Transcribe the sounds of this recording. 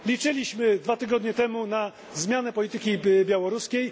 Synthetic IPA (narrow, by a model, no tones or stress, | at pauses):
lʲit͡ʂɘlʲiɕmɘd̪vat̪ɘɡɔd̪ɲɛt̪ɛmuna | zmʲjanɛpɔlʲit̪ɘkʲibʲjawɔɾuskʲej